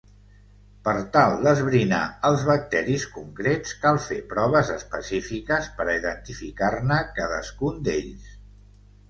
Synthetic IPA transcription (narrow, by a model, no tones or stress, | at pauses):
pəɾt̪alˠd̪əzβɾina̰əlˠzβək̚t̪ɛɾiskuŋkɾet͡skalˠfepɾɔβ̞əzəspəsifikəspəɾiðənt̪ifikarnəkaðə̰skund̪eʎs